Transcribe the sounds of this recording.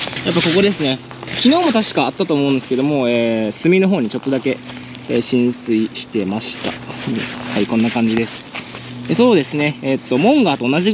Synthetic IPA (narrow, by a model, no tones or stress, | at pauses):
japːako̞ko̞d̪e̞sɨne̞ | kʲino̞ːmo̞t̪aɕi̥kaːt̪ːat̪o̞ːmo̞ɯ̃nd̪esɨ̥ked̪o̞mo̞eːsɨmʲino̞ɦo̞ːɲ̟it͡ɕo̞t̪ːo̞d̪ake̞ | eːɕĩɰ̃sɨiɕi̥t̪e̞maɕi̥t̪a̰ | haikõ̞nːakãɲ̟d͡ʑid̪e̞sɨ̥ | eso̞ːd̪e̞sɨne̞ːt̪ːo̞mõ̞ŋɡaːt̪o̞ːnaʑi